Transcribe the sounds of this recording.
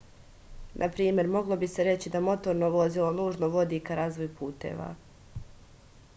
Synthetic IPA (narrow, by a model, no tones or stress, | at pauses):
nʔapɾiːmje̞ɾmo̞ɡlˠo̞bise̞ɾe̞t͡ɕid̪amo̞t̪o̞ɾno̞ʋo̞zilo̞nuːʒnoʋo̞d̪iːkaɾaːzʋo̞jpʰuːt̪ḛːʋa̰